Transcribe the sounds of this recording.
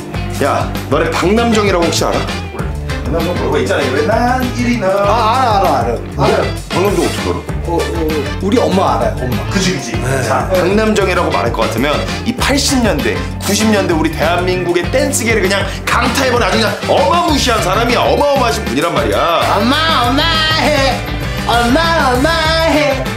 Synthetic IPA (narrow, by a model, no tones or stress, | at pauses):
ja | nʌnepaŋnamd͡ʑʌŋiɾaɡoɸʰakɕ͈ia̰ɾa̰ | o | it͡ɕ͈anajoeaniɾinaːɾaːɾaɾa | paŋnamd͡ʑoop̚sʰʌdoɾo̰ | uɾiʌmaːɾajokɯd͡ʑikɯd͡ʑiaŋnamd͡ʑʌŋiɾaɡoma̰ɾɦaɭk͈ʌk͈atʰɯmjʌn | ipʰaɭɕ͈ʰimɲʌnde̞̰ | kuɕʰimɲʌndwe̞uɾite̞anːinɡuɡe̞t͈e̞ns͈ʰɯɡeɾɯɭkɯɲaŋ | kaŋtʰaebʌnad͡ʑuɲa | ʌmamuɕʰiɦansʰaɾamiʌmaʌmaaɕʰinpuɲiɾanmaɾḭjaamaʌmaɦe | amaʌmaɦe